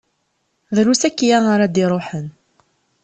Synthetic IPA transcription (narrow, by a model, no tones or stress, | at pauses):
ðɾusækːjaŋaɾad̪iɾˤoħən